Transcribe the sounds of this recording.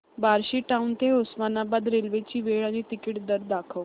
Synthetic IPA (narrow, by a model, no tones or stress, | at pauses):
baɾɕiʈãunt̪eosmanabad̪ɾelʋet͡ɕiːʋeɭanit̪ikiʈd̪əɾd̪akʰəʋ